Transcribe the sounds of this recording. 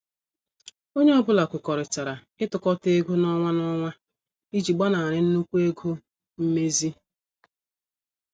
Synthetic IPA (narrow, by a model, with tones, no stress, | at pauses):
o˦ɲe˦ɔ˦bʊ˨la˨kʷʊ˨kɔ˨ɾɪ˨t͡ʃa˨ɾa˨ | ɪ˦tʊ˨kɔ˦te˦ɡu˦nɔ˦ŋʷa˦nɔ˦ŋʷa˦ | i˦d͡ʒi˨ɡ͡ba˦na˨a˨ɾɪ˦n̩˦nu˦kʷu˦e˦ɡo˦ | m̩˦me˦zi˦